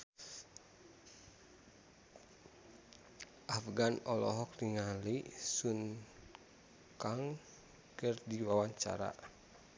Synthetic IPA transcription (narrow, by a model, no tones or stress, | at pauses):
ʔafɡanɔlɔɦɔk̚riŋalisun | kaŋ | kɨrdiwawaɲt͡ʃa̰ɾa̰